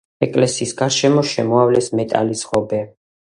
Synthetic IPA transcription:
ɛkʼlɛsiːsɡaɾʃɛmɔʃɛmɔavlɛsmɛt̪ʼa̰lisʁɔbɛ

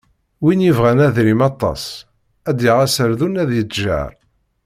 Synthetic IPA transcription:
winjivʁænæðɾimɑt̪ˤːɑ̰s | æd̪iʁæsəɾðunæðjət͡sːʒa̰ɾ

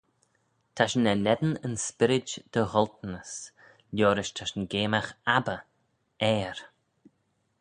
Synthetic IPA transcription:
t̪ʰaʃənɛnɛd̪ənənspɪɾɪd͡ʒd̪̥əhɔlt̪nəs | ljoːɾɪʃt̪ʰaʃənɡeːmaxabə | ɛːɾ

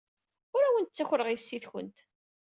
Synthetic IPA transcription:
ʊɾæwənt̪̚t͡sːæçɾəʁijsːiθçə̰nt̪

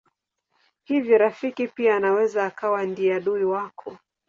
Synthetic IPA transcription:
hivjɔɾafikipiaːnawɛzaːkawandiaɗuiwakʰɔ

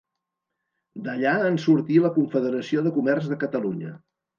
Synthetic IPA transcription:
d̪əʎaənsuɾt̪iləkuɱfəðəɾəsioðəkumɛrzðəkət̪əluɲə̰

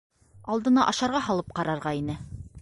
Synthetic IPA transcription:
ɑlˠd̪ɤ̆nɑʔɑʃɑɾʁɑɦɑlˠɤp̚qɑɾɑɾʁɑinɘ

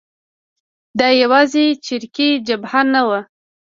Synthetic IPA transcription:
d̪ɑjawɑzet͡ʃɪɾkid͡ʒabhanawə

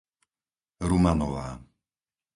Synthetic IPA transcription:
ɾumanɔʋaː

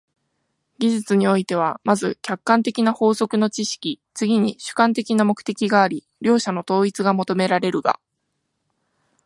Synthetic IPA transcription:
ɡʲiʑɨt͡sɨɲ̟io̞it̪e̞β̞amazɨkʲakːãnt̪e̞kʲinaho̞ːso̞kɯ̟no̞t͡ɕiɕi̥kʲi | t͡sɨɡʲiɲ̟iɕɨ̥kãnt̪e̞kʲinamo̞kɯ̟̥t̪e̞kʲiɡaːɾʲi | ɾʲo̞ːɕano̞t̪o̞ːit͡sɨɡamo̞t̪o̞me̞ɾaɾe̞ɾɯ̟ɡa̰

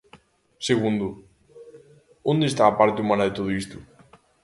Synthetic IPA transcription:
seɣund̪ʊ | õnd̪est̪aːpaɾt̪ɪumãnɐðet̪oð̞ʊist̪ʊ

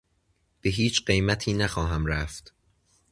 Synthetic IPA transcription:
b̥e̞ɦiːt͡ʃɢe̞jmæt̪ʰiːnæxɒːɦæmɾæft̪

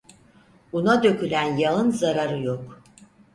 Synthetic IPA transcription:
bunad̪ø̞cʰylʲænjalɯnzaɾaɾɯjok

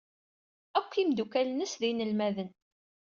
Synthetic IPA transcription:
ækʷːimd̪ukælnəsðinəlmæðən

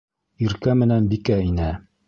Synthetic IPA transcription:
iɾkæmɘ̆nænbikæinɘ

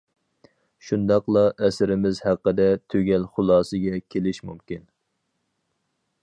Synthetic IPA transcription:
ʃund̪ɑqlˠɑʔɛsɪɾɪmɪzhæqːəd̪ɛt̪ʰøɡʲɛlχʊlˠɑːsɨɡʲɛkʲʰelɪʃmumkʲin

